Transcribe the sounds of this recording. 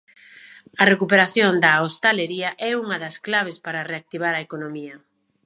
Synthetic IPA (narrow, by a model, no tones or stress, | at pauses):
ɐrekupeɾaθjond̪ɐost̪aleɾiɐʔɛuŋɐðɐsklaβ̞espaɾɐreak̚t̪iβ̞aɾɐekonomiɐ